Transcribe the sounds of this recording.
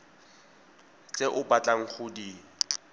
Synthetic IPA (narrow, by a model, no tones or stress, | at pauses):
t͡sʼeʔʊbat͡ɬʼaŋ̩χʊdi